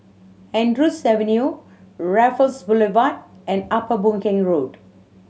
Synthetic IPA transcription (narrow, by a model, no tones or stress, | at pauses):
hɛ̃ndɹusɛvə̃nju | ɹɛfəlsbulivat̚ɛ̃napəbũŋkɪ̃ŋɹod